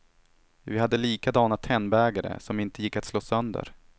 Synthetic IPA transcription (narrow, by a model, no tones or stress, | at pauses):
vɪhad̪ːəliːkad̪ɑːnat̪ʰːɛnbɛːɡaɾə̰sɔmɪnt̪əjɪkːat̪sloːsœnd̪ə̰ɾ